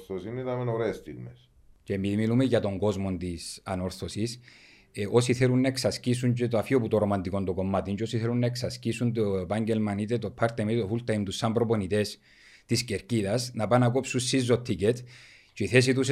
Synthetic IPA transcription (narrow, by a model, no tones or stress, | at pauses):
θosinit̪ɐmenoɾeːst̪ḭɣmes | cemiðimilumeʝɐt̪oŋɡo̞zmo̞nt̪isɐno̞ɾθosis | ʔosiθelunːɐeksɐscis̬unt͡ʃet̪oafioput̪oɾomɐnd̪iko̞nd̪oko̞mːat̪int͡ʃosiθelunːɐeksɐscisunt̪oepaɲɟelmɐnit̪̬et̪opʰːɐɾt̪emit̪ofult̪ɐimt̪usːɐmbɾoponit̪es | t̪isceɾciðɐsnɐpanɐk̬o̞psunsizːot̪ʰːicet̪ | t͡ʃeiθes̬it̪us